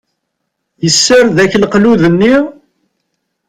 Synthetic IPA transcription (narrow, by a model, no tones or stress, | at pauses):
jəsːəɾðæçlqluðənːi